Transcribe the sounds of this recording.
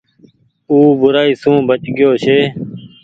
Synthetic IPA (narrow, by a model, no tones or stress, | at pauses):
uːbʊɾaːiːsũːbət͡ʃɡɪjoːʃeː